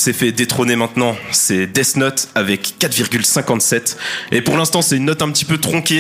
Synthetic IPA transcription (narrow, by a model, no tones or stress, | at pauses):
sɛfɛd̪et̪χonemɛ̃t̪nɑ̃sɛd̪ɛsnɔt̪avɛkːat̪viʁɡʲylsɛ̃kɑ̃t̪sɛt̪epuʁlɛ̃st̪ɑ̃sɛynːɔt̪ɛ̃pət̪i̥pøt̪χɔ̃kʲe